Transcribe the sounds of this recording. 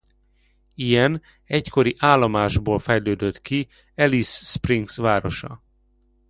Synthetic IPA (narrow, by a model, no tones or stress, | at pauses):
ijɛn | ɛcko̞ɾiʔaːlːomaːʒboːlfɛjløːd̪øt̪ki | ɛlisːpriŋksʋaːɾo̞ʃɒ̰